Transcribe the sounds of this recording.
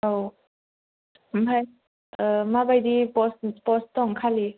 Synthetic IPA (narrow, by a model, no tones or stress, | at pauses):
ow | mɦaj | ʔəmabajdipɔspɔst̪ɔŋkʰali